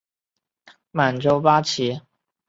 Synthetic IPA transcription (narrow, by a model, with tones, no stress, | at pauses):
ma˨˩nʈ͡ʂo˥ʊpa˥t͡ɕʰi˧˥